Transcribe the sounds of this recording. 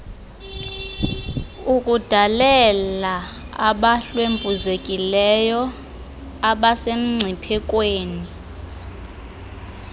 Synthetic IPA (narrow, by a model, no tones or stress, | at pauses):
ukʼud̥ʱalɛla | aɓaɬwempʼuzekʼilɛjɔ | aɓasem̩ŋ͡ǀʱipʰɛkʼweːni